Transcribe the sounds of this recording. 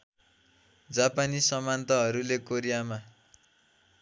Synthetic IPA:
d͡zapanisʌmant̪ʌɦʌɾulekoɾijama

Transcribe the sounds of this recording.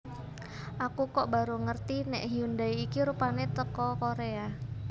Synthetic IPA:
ʔakukɔʔba̤ɾuŋərt̪inɛʔɦiundaiːkiɾupanet̪əkɔkoɾea

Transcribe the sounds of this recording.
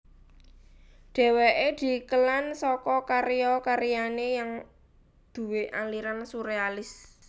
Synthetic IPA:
ɖ̥ɛ̤weʔed̪̥i̤kəlansɔkɔkaɾijɔkaɾijanejaŋ | d̪̥ṳweʔaliɾansuɾealɪs

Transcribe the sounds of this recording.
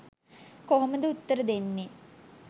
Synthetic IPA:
koɦoməd̪əut̪ːəɾəd̪enːe

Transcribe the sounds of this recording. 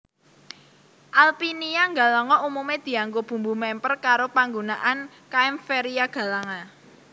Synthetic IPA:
ʔalpiniaŋɡalɔŋɔʔumumed̪̥i̤aŋɡob̥ṳmbumɛmpərkaɾopaŋɡonaʔan | kaɛmfeɾiaɡ̥ä̤laŋa

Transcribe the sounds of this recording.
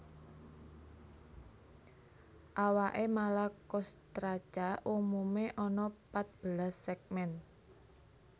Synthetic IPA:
ʔawaʔemalakɔst̪ɾḁt͡ʃaʔumumeʔɔnɔpat̪̚b̥əlasːɛk̚mɛn

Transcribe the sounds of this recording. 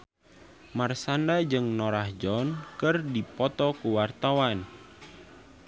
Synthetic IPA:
marsandad͡ʒɨŋnɔɾahd͡ʒɔnkɨrdipɔt̪ɔkuwart̪awan

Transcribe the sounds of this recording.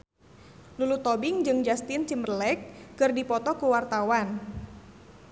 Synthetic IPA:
lulut̪ɔbɪŋd͡ʒɨŋd͡ʒast̪ɪnt͡ʃimrlɛk̚ːɨrdipɔt̪ɔkuwart̪awan

